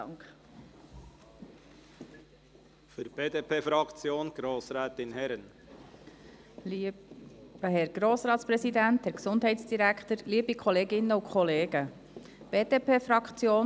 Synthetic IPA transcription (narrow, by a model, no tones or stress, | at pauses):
k | fyɾb̥eːdeːpʰeːfɾɑkt͡sjoːnɡ̥ɾoːsɾɛːt̪ɪnhɛɾən | b̥əɦɛɾɡ̥ɾoːsɾɑːt̪spɾɛsidænt̪hɛæɾksʊnd̥ɦɛɪtsd̥iɾækχt̪əɾliəbikʰɔleːɡɪnːəukʰχɔleːɡ̥ə | b̥eːdeːpeːfɾɑkχt͡sjoːn